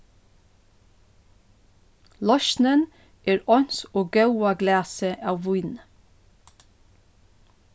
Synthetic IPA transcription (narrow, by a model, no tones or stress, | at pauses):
lɔʃnən | ʔeːɾɔnsoːɡɑʉɑɡlæːsəʔɑːʋʋʊʏn